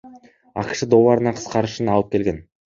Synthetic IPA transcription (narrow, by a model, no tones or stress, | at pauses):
ɑ̰qʃəd̪o̞wɑɾənɑqʰə̥qɑɾəʃənɑlˠəp̚kʲe̞lɡʲe̞n